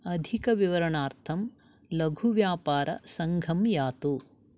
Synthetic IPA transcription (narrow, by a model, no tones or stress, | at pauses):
ɐd̪ʱikɐʋiʋɐɾɐɳaːɾt̪ʰɐm | lɐɡʱuʋjaːpaːɾʔɐ̰sɐŋɡʱɐmjaːt̪u